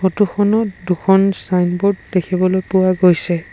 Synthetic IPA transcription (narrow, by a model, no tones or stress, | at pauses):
otuxʰɔnɔtdukʰɔnsajnbɔd̚dekʰibɔlojpʊwaɡojsɛ